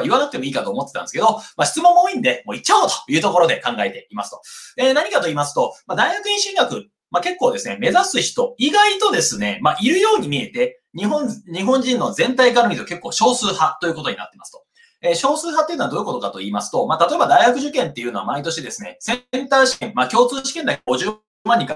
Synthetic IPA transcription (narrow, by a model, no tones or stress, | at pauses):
aiβanakɯ̟t̪emo̞iːkat̪o̞ːmo̞t̪ːeãnd̪esɨ̥ke̞d̪o̞maɕi̥t͡sɨmõ̞m̃ːoːĩnd̪e̞mo̞ːit͡ɕːaot̪o̥jɯ̟ːt̪o̞ko̞ɾo̞d̪e̞kãŋɡae̞t̪e̞imasɨ̥t̪o̞enaɲ̟ikat̪o̞iːmas̬ɨ̥t̪o̞mad̪aiɡakɯ̟ĩɕĩŋɡakɯ̟ | make̞kːo̞ːd̪e̞sɨne̞me̞zasɨçi̥t̪o̞iɡait̪o̞d̪e̞sɨne̞maʔiɾɯ̟jo̞ːɲ̟imʲie̞t̪e̞ | ɲiɦõnɲ̟iɦõ̞ɲ̟d͡ʑĩnːo̞zẽ̞nt̪aikaɾoɾʲid̪ke̞kːo̞ːɕo̞ːsɨːhat̪o̞jiɯ̟ko̞t̪o̞ɲ̟ina̰t̪ːemasɨ̥t̪o̞̥ | eɕo̞ːsɨːɦat̪ːeiɯ̟noad̪o̞ːiko̞t̪o̞kat̪o̞iːmasɨ̥t̪o̞mat̪at̪o̞e̞bad̪aiɡakɯ̟ʑɨkẽ̞nt̪ːe̞jɯ̟no̞a̰mait̪o̞ɕid̪e̞sɨne̞̰sẽ̞nt̪aːɕi̥kẽ̞mmakʲo̞ːt͡sɨːɕi̥ke̞nd̪akeɡo̞ʑɨː | mãɲ̟ːika